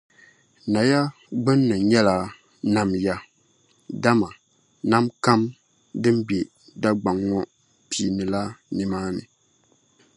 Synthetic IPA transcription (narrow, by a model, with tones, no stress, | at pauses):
na˨ja˦ | ɡ͡bɨ˦nːɨ˨ɲɛ˦la˨ | na˨mja˦ | da˦ma˨ | na˦mka˦m | dɨ˦mbje˨ | da˦ɡ͡ba˨ŋːɔ˦ | pi˨nɨ˨la˦nɨ˨maː˦nɨ˨